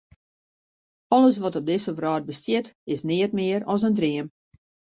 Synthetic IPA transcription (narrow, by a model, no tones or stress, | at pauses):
ɔləs̬ʋɔtɔb̚dɪsəvrɔːd̚bəstjɪtɪsnɪətmɪəɾɔs̬əndriəm